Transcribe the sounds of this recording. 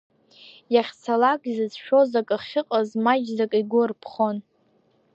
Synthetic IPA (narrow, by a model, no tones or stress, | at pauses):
jaχʲt͡sʰalakʼizɨzʃᶣo̞zakʼɨχʲɪqʼazmad͡ʒzakʼiɡʷʊrpʰχon